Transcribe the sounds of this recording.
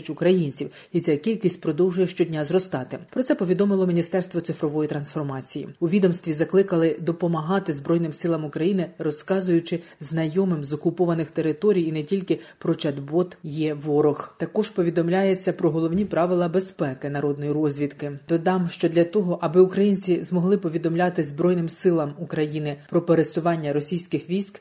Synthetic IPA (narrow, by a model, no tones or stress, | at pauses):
ʊt͡ʃʲʊkɾɐjinʲt͡sʲiw | isʲɛkʲilʲkʲisʲtʲpɾɔd̪ɔwʒʊjɛʃt͡ʃɔdʲnʲazrɔst̪ɑt̪ɪpɾɔt̪ɛpɔʋʲid̪ɔmɪlˠɔmʲinʲist̪ɛrst̪ʋɔt̪sɪfɾɔʋɔjit̪ɾɐnsfɔrmɑt͡sʲijḭʊʋʲid̪ɔmst̪ʲʋʲizɐklˠɪkɐlˠɪd̪ɔpɔmɐɦɑt̪ɪzbɾɔjnɪmsɪlˠɐmʊkɾɐjinɪɾɔskɑzʊjʊt͡ʃɪznɐjɔmɪmzɔkʊpɔʋɐnɪxt̪e̞ɾɪt̪ɔɾʲijinɛtʲilʲkɪpɾɔt͡ʃɐd̪bɔt̪jɛʋɔɾɔxt̪ɐkɔʒpɔʋʲid̪ɔmlʲajet͡sʲːɐpɾɔɦɔlˠɔwnʲipɾɑʋɪlˠɐbespɛkɪnɐɾɔd̪nɔjiɾɔzʲʋʲid̪kɪd̪̥ɔd̪ɑmʃt͡ʃɔd̪lʲɐt̪ɔɦɔʔɐbɪukɾɐjinʲt͡sʲizmɔɦlˠɪpɔʋʲid̪ɔmlʲɑt̪ɪzbɾɔjnɪmsɪlˠɐmukɾɐjinɪpɾɔpeɾesʊʋɑnʲːɐɾɔsʲijsʲkɪxʋʲijsʲk